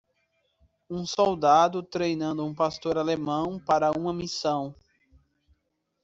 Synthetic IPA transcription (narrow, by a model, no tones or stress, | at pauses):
ũsɔwd̪ad̪ʊt̪ɾejnɐ̃nd̪ʊũpast̪oɾalemɐ̃w̃paɾɐũmɐmisɐ̃w̃